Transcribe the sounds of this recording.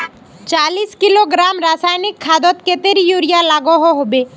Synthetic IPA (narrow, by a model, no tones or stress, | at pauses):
t͡ʃaliskiloɡɾamɾasajnikʰːad̪ɔt̪ket̪eɾijuɾijalaɡɔɦɔɦobe